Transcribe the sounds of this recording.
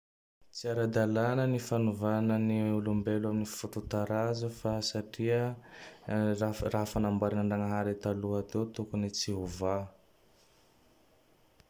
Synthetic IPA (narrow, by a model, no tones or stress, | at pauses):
t͡siaɾad̪alanənifanuvanəniulumbeluaminifut̪ut̪aɾazufasaʈ͡ʂiə | rarafanambaɾanaɳɖ͡ʐaŋəɦaɾit̪aluat̪et̪ukunit͡siɦuva